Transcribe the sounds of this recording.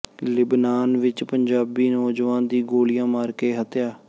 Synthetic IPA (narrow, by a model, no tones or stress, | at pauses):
lɪbnaːnʋɪt͡ʃpəɲd͡ʒaːbiːnɔːd͡ʒʋãːnd̪iːɡoːlijãːmaːɾkeːɦət̪jaː